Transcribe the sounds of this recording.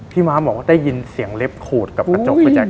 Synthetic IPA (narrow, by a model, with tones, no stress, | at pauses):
t̪ʰiː˥˩maː˦˥mɔː˨˩˦kwaː˥˩daː˥˩ji˧nsi˨˩˦əŋle˦˥p̚kʰuː˨˩t̪̚ka˨˩pt͡ɕo˨˩a˧˩t͡ɕaː˨˩